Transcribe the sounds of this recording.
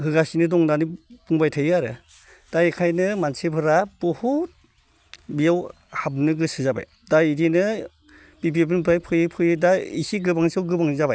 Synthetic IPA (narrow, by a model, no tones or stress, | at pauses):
hɯɡasinɯdɔŋdanipuŋbajtʰɯjɯaɾɯ | d̥ajekʰajnɯmansepʰɯɾabɔhut̚ | bijaw | hab̚nɯɡɯsɯzaba̰j | daidinɯ | pib̬ib̬ɯnbʰɯɾajpʰɯjɯpʰɯjɯdaḭsiɡɯbaŋsɯwɡɯbaŋzabaj